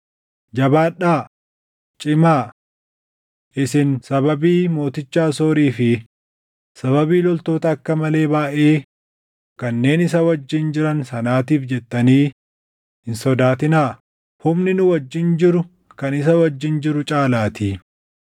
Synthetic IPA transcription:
d͡ʒɐbaːᶑaː | t͡ʃʼɪmaː | ʔɪsɪnsɐbɐbiːmo̞ːt̪ɪt͡ʃːaːsoːɾiːfɪ | sɐβɐbiːlɔlt̪o̞ːt̪ɐːkːɐmɐle̞ːbaːʔeː | kɐnːe̞ːnɪs̬ɐwɐd͡ʒːɪnd͡ʒɪɾɐnsɐnaːt̪iːfd͡ʒɛt̪ːɐniː | hɪnsɔd̪aːt̪ɪnaː | hʊmnɪnʊwɐd͡ʒːɪnd͡ʒɪɾʊ | kɐnɪs̬ɐwɐd͡ʒːɪnd͡ʒɪɾʊt͡ʃʼaːlaːt̪i

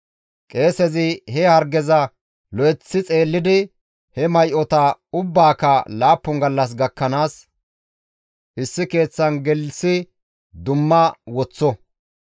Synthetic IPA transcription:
kʼe̞ːsɛzɪhɛhɐɾɡɛzɐ | lɔjɛt͡sːɪt͡sʼe̞ːlːɪd̪ɪ | hɛmɐjʔɔt̪ɐʊbːaːkɐlaːpːʊŋɡɐlːɐs̬ɡɐkːɐnaːs | ʔɪsːɪke̞ːt͡sːɐnɡɛlsɪ | d̪ʊmːɐwɔt͡sːɔ

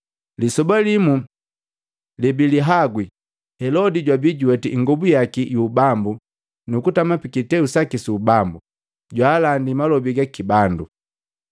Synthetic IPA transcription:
lisɔbalimu | libiliɦaɡwi | hɛlɔdiɟwabiɟuwɛtiŋɡɔbujakijuːbambu | nukutamapikitɛusakisuːbambu | ɟwaːlandimalɔbiɡakibandu

